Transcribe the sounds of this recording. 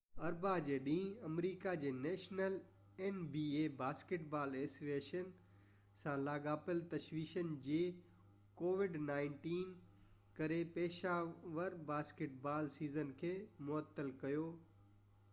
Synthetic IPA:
ɐɾbad͡ʑeːɗĩːɐmɾiːkad͡ʑeːnɛːʃnəl | enbiːeːbaːskɪʈbaːleːsʋeːʃən | sãlaːɡaːpɪlt̪ɐʃʋiːʃənd͡ʑeː | koːʋɪɖnaːɪ̃ɳʈiːn | kɐɾepɛːʃaːʋəɾbaːskɪʈ̚baːlsiːzənkʰeːmʊət̪ːəlkɐjoː

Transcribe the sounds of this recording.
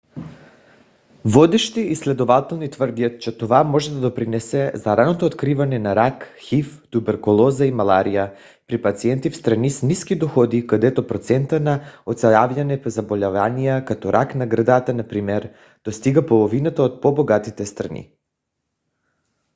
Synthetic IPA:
vɔd̪ɛʃt̪iːslɛd̪ovat̪ɛlˠnit̪vrd̪iat̪t͡ʃɛt̪ovamɔʒɛd̪ad̪opɾinɛsɛzaɾanot̪oːt̪kɾivanɛnaɾakxift̪ubɛɾkulˠɔzaimalˠaɾija | pɾipat̪siɛnt̪ifst̪ɾanisniskid̪oxɔd̪ikad̪ɛt̪opɾot̪sɛnt̪anaot̪sajavʎanɛpzabolʲavanijakat̪ɔɾʔaknaɡɾad̪at̪anapɾimɛɾ | d̪̥ost̪iɡapolˠovinat̪aot̪̚poboɡat̪it̪ɛst̪ɾanḭ

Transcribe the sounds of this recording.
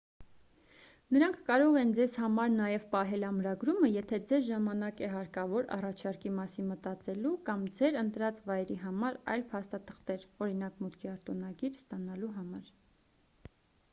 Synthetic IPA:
nəɾɑŋkʰkɑɾɔʁɛnd͡zɛzhɑmɑɾnɑjɛvpɑɦɛlɑmɾɑɡɾuməjɛt̪ʰɛd͡zɛzʒɑmɑnɑkɛɦɑɾkɑvɔɾɑ̰rɑt͡ʃʰɑɾkimɑsinmət̪ɑt͡sɛlukɑmd͡zɛɾənt̪ɾɑt͡svɑjɛɾiɦɑmɑɾɑ̰jlpʰɑst̪ɑt̪ʰə̥χt̪ɛɾɔɾinɑkmut̪kʰiɑɾt̪ɔnɑɡiɾst̪ɑnɑluɦɑmɑɾ

